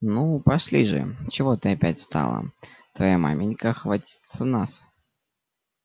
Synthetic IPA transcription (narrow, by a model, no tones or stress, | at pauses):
nupɐʂlʲiʐɨ̰t͡ɕɪvo̞t̪ɨɐpʲætʲst̪a̰lˠə̰t̪vɐjama̰mʲɪnʲkəxvɐtʲi̥t̪sənas